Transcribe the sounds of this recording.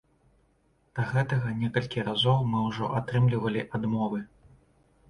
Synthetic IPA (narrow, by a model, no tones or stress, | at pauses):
d̪̥ɐɣɛt̪ɐɣɐnʲɛkɐlʲkʲiɾazɔwmɨwʐɔ̰ʔat̪ɾɨmlʲivɐlʲiʔad̪mɔvɨ